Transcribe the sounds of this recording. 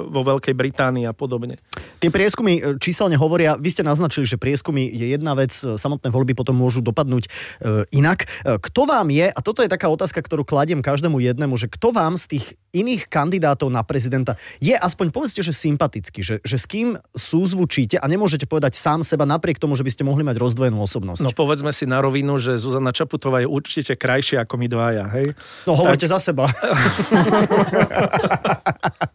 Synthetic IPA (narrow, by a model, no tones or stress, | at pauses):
ʋɔʋɛlkɛjbɾit̪aːniːapɔd̪ɔbɲɛt̪ɪɛpɾɪɛskumit͡ʃiːsɛlɲɛɦɔʋɔɾɪaʋiscɛnaznat͡ʃiliʒɛpɾɪɛskumijɛjɛd̪naʋɛt͡ssamɔt̪nɛːʋɔlʎbipɔt̪ɔmːʊɔʒud̪ɔpad̪nuːcinakkt̪ɔʋaːmjɛʔat̪ɔt̪ɔjɛt̪akaːɔt̪aːskakt̪ɔɾuːklaɟɛmkaʒd̪ɛːmujɛd̪nɛmuʒɛkt̪ɔʋaːmst̪iːɣ | iniːxkand̪id̪aːt̪ɔʊnapɾɛzid̪ɛnt̪ajɛʔaspɔɲpɔʋɛt͡scɛʒɛsimpat̪it͡skiʒɛʒɛskiːmsuːzʋut͡ʃiːcɛʔaɲɛmʊɔʒɛcɛpɔʋɛd̪acsaːmsɛbanapɾɪɛk̚t̪ɔmuʒɛbiscɛmɔɦlimaɟɾɔzd̪ʋɔjɛnuːɔsɔbnɔ̰snɔpɔʋɛd͡zmɛsinaɾɔʋinuʒɛzuzanat͡ʃaput̪ɔʋaːjɛʔuɾt͡ʃicɛkɾajʃɪaakɔmid̪ʋajaɦɛj | nɔɦɔʋɔɾcɛzasɛba